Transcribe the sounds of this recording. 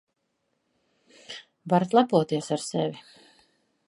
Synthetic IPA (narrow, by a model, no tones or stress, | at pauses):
vaɾat̪lˠapuɔt̪iɛsaɾsɛvʲi